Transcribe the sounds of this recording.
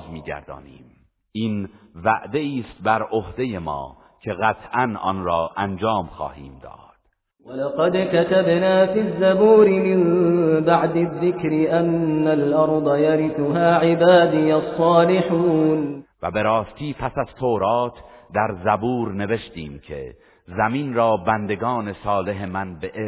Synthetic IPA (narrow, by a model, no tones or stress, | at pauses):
zmiːɡæ̰ɾd̪ɒ̰ːniːm | ʔiːnvæ̰ʔd̪e̞iːst̪̚bæɾʔohd̪e̞je̞mɒ̰ː | cʰe̞ɣæt̪ʰʔænɒ̰ːnɾɒːʔænd͡ʒɑːmxɑ̰ːhiːmd̪ɒ̰ːd̪̥ | walɑqɑd̪kat̪abnaːfizːabuːɾɪmɪmbaʕd̪ɪðːɪkɾɪʔanːalʔɑɾˤd̪ˤɑjaɾɪθʊɦaːʕɪbaːd̪ɪjasˤːɑːlɪħuːnvæbe̞ɾɒːst̪iːpʰæsæz̥t̪ʰoːɾɑːt̪ʰd̪æɾzæbuːɾne̞ve̞ʃt̪iːmcʰe̞̰ | zæmiːnɾɒːbænd̪e̞ɡɒːne̞sɒːle̞ɦe̞mænbeʔe